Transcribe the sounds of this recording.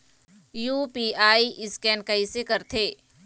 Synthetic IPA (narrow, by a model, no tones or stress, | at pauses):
juːpiːaːiʔɪskɛːnkɐisekɐɾt̪ʰeː